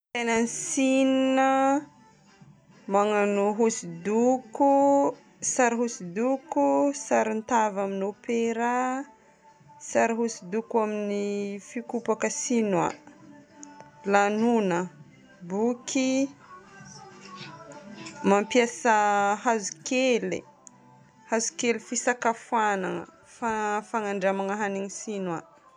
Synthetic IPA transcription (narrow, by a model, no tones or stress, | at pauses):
tananisininə | maŋanuɦusid̪uku | saɾiɦusid̪ukusaɾint̪avaminopeɾa | saɾiɦusid̪ukuaminifikupakəsina̰ | lanunə | bukʰi | mampjasəhazukelḭ | hazu̥kelifisakafuanaŋə̰ | fafaŋaɳɖ͡ʐamaŋaɦaniŋisinwa̰